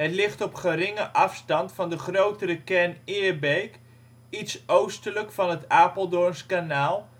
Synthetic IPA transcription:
ətlɪχtɔpχəɾɪŋəʔɑfstɑntfɑndəχrowtəɾəkɛɹnɪːɹbejk | itsowstələkfɑnɦətaːpəlˠdɔɹnskanaːlˠ

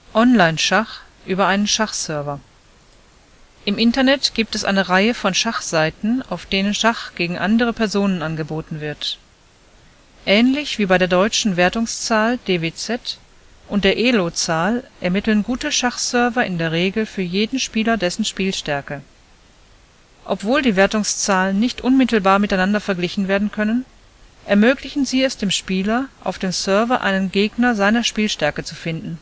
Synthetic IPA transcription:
ʔɔnlaɪnʃaχ | ʔyːbɐʔaɪnənʃaχsœɐvɐ | ʔɪmʔɪntɐnɛtɡ̥iːp̚tɛsʔa̰ɪnəʁaɪəfɔnʃaχz̥aɪtn̩a̰ʊfd̥eːnənʃaχɡ̥eːɡŋ̩ʔandəʁəpʰɛɐzoːnənanɡəboːtn̩vɪɐt | ʔɛːnlɪçv̥iːbaɪɾeːɐdɔʏt͡ʃn̩veːɐtʊŋst͡saːld̥eːveːt͡sɛt | ʔʊnt̚d̥eːɐʔeːlot͡saːlʔɛɐmɪtl̩nɡuːtəʃaχsœɐvɐʔɪndeːɐʁ̞eːɡl̩fyːɐjeːdn̩ʃpiːlɐdɛsn̩ʃpiːlʃtɛɐkə | ʔɔpv̥oːldiːveːɐtʊŋst͡saːlənːɪçtʔʊnmɪtl̩baːɐmɪtaɪnandɐfɛɐɡlɪçn̩veːɐdn̩kʰœnən | ʔɛɐmøːklɪçn̩ziːɛsd̥eːmʃpiːlɐʔa̰ʊfd̥eːmsœɐvɐʔa̰ɪnənɡeːɡnɐzaɪnɐʃpiːlʃtɛɐkət͡sufɪndn̩

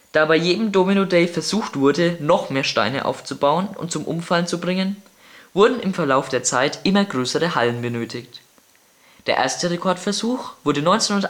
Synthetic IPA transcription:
d̥aːbaɪjeːdm̩doːminodɛɪfɛɐzuːxtv̥ʊɐdənɔχmeːɐʃta̰ɪnə̰ʔa̰ʊft͡subaʊənʊ̰nt̚t͡sʊmʔʊ̰mfalt͡subʁɪŋən | v̥ʊɐdn̩ɪmfɛɐlaʊfd̥eːɐt͡saɪtʔɪmɐɡʁøːsəʁəhalənbənøːtʰɪçt | d̥eːɐʔḛːɐstəʁekʰɔɐtfɛɐzuːxv̥ʊɐdənɔʏnt͡senʊn

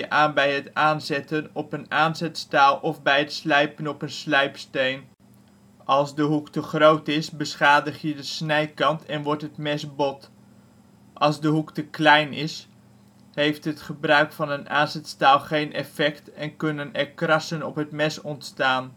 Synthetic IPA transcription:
əʔaːnbɛjɦətaːnzɛtənɔpənaːnzɛtstaːlˠʔɔvbɛjɦətslɛjpənɔpənslɛjpstejn | ʔɑlˠzdəɦuktəχrowtɪsbəsχaːdəχjədəsnɛjkɑntʰɛnʋɔɹtɦətmɛsbɔt | ʔɑlˠzdəɦuktəklɛjnɪs | ɦejftɦətχəbrœɥkfɑnənaːnzɛtstaːlˠχejnɛ̰fɛktɛnkɵnənɛɹkrɑsənɔpɦətmɛsɔntstaːn

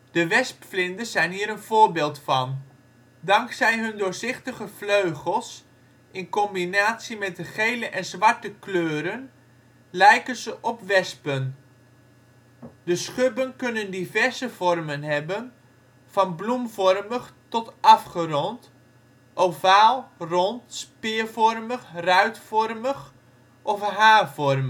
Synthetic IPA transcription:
d̥əʋɛspflɪndəz̥ɛjnɦiːɾənv̥oːɹbɪːlˠtfɑn | dɑŋksɛjɦɵndʊːɹzɪχtəχəvløɥχəlˠs | ʔɪnkɔmbinaːtsimɛt̚dəχejləʔɛnzʋɑɹtəkløːɾən | lɛjkənzəʔɔpʋɛspən | dəsχøbənkɵnəndivɛɹzəvɔrmənɦɛbən | v̥ɑnblumvɔrməχtɔtʔɑfχərɔnt | ʔovaːlˠrɔntspɪːɹvɔrməxrœɥtfɔrməχ | ʔɔfɦaːvɔrm

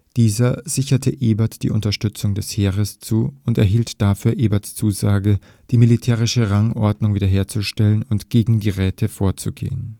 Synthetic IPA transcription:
d̥iːzɐz̥ɪçɐtʰəʔeːbɐtd̥ḭːʔʊntɐʃtʏt͡sʊŋdɛsheːʁəst͡suːʊntɛɐɦiːltd̥afyːɐʔeːbɐtst͡suːzaːɡə | d̥iːmilitʰɛːʁ̞ɪʃəʁaŋʔɔɐdnʊŋviːdɐɦeːɐt͡suʃtɛlənʊntɡ̥eːɡŋ̩diːʁɛːtʰəfoːɐt͡suɡḛːən

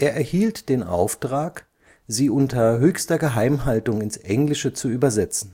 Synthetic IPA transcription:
ʔeːɐʔɛɐhiːltd̥eːnʔa̰ʊftʁ̥aːk | z̥iːʔʊntɐɦøːçstɐɡəɦaɪmɦaltʊŋɪnsʔɛŋlɪʃət͡suyːbɐzɛt͡sn̩

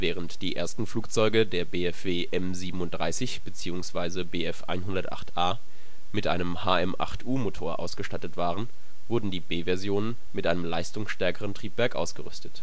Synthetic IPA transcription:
vɛːʁ̞əntd̥iːʔḛːɐstn̩fluːk̚t͡sɔʏɡədeːɐbeːɛfv̥eːʔɛmziːbm̩ʊnt̚d̥ʁaɪsɪçb̥ət͡siːʊŋsv̥aɪzəbeːɛfʔa̰ɪnɦʊndɐtʔa̰χtʔaː | mɪtʔa̰ɪnəmhaːɛmʔa̰χtʰʔuːmotʰoːɐʔa̰ʊsɡ̥əʃtatətv̥aːʁən | vʊɐdn̩diːbeːvɛɐzjoːnən | mɪtʔaɪnəmlaɪstʊŋsʃtɛɐkəʁəntʁ̥iːpv̥ɛɐkʔa̰ʊsɡ̥əʁʏstə̥t

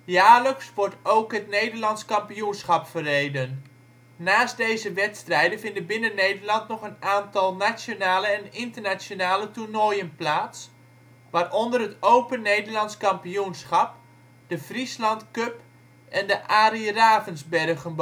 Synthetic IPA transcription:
jaːləksʋɔɹtowkɦətnejdərlɑntskɑmpijunsχɑpfərejdənː | aːst̚dejzəʋɛtstrɛjdənvɪndəbɪnənːejdərlɑntnɔχənaːntɑlˠnat͡ʃjonaːləɛnɪntərnasjonaːlətunojənplaːts | ʋaːrɔndərɦətowpənejdərlɑntskɑmpijunsχɑp̚ | d̥əvrislɑntkøp | ɛndəʔaːriraːvənzbɛrɣənb

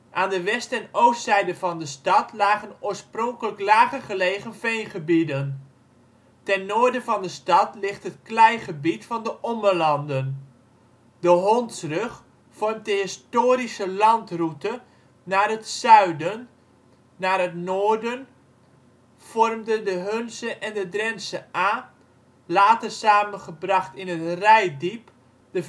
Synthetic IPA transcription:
ʔaːndəʋɛstɛnowstsɛjdəvɑndəstɑtlaːɣənoːəɹsprɔŋkələklaːɣəχəleːɣənfejnχəbidən | tɛnːoːɹdəvɑndəstɑtlɪχtɦətklɛjχəbitfɑndəʔɔmərlɑndən | dəɦɔntsrøχ | fɔrmt̚dəɪstoːɾisəlɑntrutə | naːrɦətsœɥdənː | aːrətnoːɹdən | fɔrmdədəɦønsəʔɛndədrɛnsəaː | laːtərsaːmənχəbrɑχtɪnətrɛjdip | də

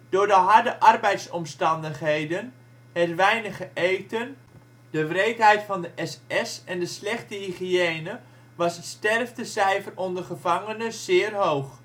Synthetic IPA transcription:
d̥ʊːɹdəɦɑɹdəʔɑrbɛjtsɔmstɑndəχɦejdən | hətʋɛjnəχəʔejtən | dəʋrejtɦɛjtfɑndəʔɛsɛsɛndəslɛχtəɦiχieːnə | ʋɑsɦətstɛrfdəsɛjfərɔndəχəvɑŋənəz̥ɪːrɦowχ

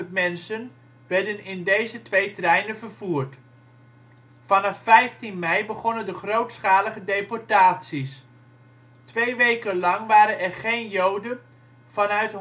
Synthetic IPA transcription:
ətmɛnsən | ʋɛɹdənɪndejzətʋejtrɛjnənvəɹv̥uːrt | fɑnɑfːɛjftinmɛjbəχɔnəndəχrowtsχaːləχədejpɔɹtaːtsis | tʋejʋejkənlɑŋʋaːɾənɛrχejnjowdən | v̥ɑnœɥtɦ

